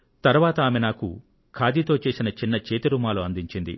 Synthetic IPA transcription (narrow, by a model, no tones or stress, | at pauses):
t̪ɐɾuʋaːt̪ɐaːmenaːkṵ | kʰaːd̪it̪oːt͡ʃe̞ːsinɐt͡ʃinːɐt͡ʃeːt̪ɐɾuːmaːloɐnd̪iɲt͡ʃind̪ḭ